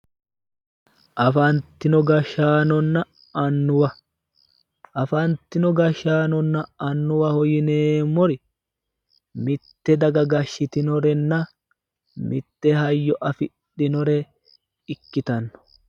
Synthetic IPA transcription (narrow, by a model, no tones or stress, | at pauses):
ʔɐfɐnt̪ːɪnɔɡɐʃaːnɔnːɐ | ɐnːʊwɐ | ʔɐfɐnt̪ːɪnɔɡɐʃːaːnɔnːɐɐnːʊwɐhɔjɪneːmːɔɾɪ | mɪt̪ːɛd̪ɐɡɐɡɐʃːɪt̪ɪnɔɾɛnːɐ | mɪt̪ːɛhɐjːɔʔɐfɪɗːɪnɔɾɛ | ɪkːɪt̪ɐnːɔ̥